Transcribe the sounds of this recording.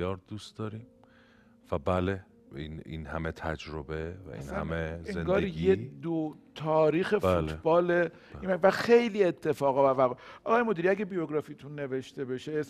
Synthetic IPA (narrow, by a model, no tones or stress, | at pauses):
ɒːɾd̪̥ust̪d̪ɒːɾiːm | væbæle | ḭnḭnhæmet̪ʰæd͡ʒɾobevæ̰ʔḭsnhæ̰meezenɡɒːɾijed̪ot̪ʰɒːɾiːxeult̪bɒːle | imævæxejliːet̪ʰːe̞fɒːɣɒbæɾvæɣɔʔɒɣɒːjemod̪iɾiæɡebijoɡɾɒːfit̪ʰunːe̞ve̞ʃt̪e̞beʃe